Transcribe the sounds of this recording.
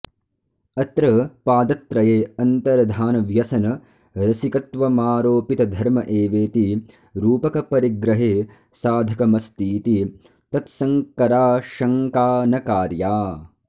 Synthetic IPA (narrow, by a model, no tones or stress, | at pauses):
ɐt̪ɾɐpaːd̪ɐt̪ɾɐjeːɐnt̪ɐɾɐd̪ʱaːnɐʋjɐsɐnɐ | ɾɐsikɐt̪ʋɐmaːɾoːpit̪ɐd̪ʱɐɾmɐʔeːʋeːt̪i | ɾuːpɐkɐpɐɾiɡɾɐɦeː | saːd̪ʱɐkɐmɐst̪iːt̪i | t̪ɐt̪sɐŋkɐɾaːʃɐŋkaːnɐkaːɾjaː